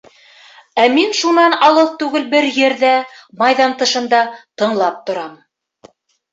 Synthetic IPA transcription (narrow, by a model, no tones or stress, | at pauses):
æminʃunɑnɑlˠɤlˠt̪ʉɡɘlbɘɾjɘ̆ɾðæmɑjðɑnt̪ɤ̆ʃɤ̆nd̪ɑt̪ɤ̆ɴlˠɑp̚t̪ŏɾɑm